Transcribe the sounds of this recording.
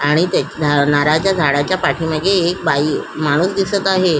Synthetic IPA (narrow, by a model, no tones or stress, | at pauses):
aɽ̃it̪jad̪ʱnaɾad͡ʑjad̪ʱaɽat͡ɕjapaʈʰiːməd̪ʱːjeːk̚baiːmaɽ̃uːsd̪isət̪aɦe